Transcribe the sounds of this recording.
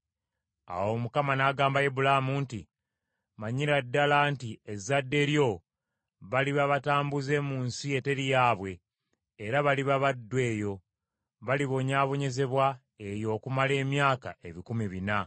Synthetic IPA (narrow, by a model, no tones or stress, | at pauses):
a̰wo̞mukamanaɡaːmbajebulamuːnti | maɲiɾadːalantiezadːe̞ːɾjo̞ | βaliβaβataːmbuze̞ːmuːnsie̞te̞ɾijaːβwe̞ː | ɾaβaliβaβadːwe̞ːjo̞ | βaliβo̞ɲaːβo̞ɲe̞ze̞βwa | e̞jo̞ːkumale̞ːmjaːka̰ʔe̞βikumiβina